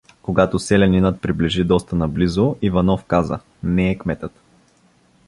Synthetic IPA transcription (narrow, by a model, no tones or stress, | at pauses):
koɡat̪osɛlɛninət̪̚pɾiblɛʒid̪ɔst̪ənɐblizʊivɐnɔfkazə̰ | nɛɛkmɛt̪ət̪